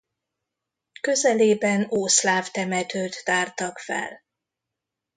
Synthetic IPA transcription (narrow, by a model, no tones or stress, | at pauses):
kø̞zɛleːbɛnoːslaːft̪ɛmɛt̪øːt̪ːaːrt̪ɒkfɛ̰l